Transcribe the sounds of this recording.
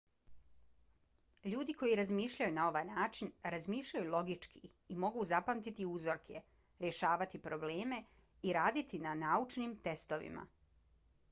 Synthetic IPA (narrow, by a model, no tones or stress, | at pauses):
ʎuːd̪iko̞jiɾazmiːʃʎajunao̞ʋaːjnaːt͡ʃinɾazmiːʃʎajulˠo̞ɡit͡ʃkʰi | imo̞ɡuzapamt̪it̪iuzoɾkʰe̞ | ɾje̞ʃaːʋat̪ipɾo̞bleːme̞ | iɾaːd̪it̪inanaut͡ʃnimt̪e̞st̪oʋḭma̰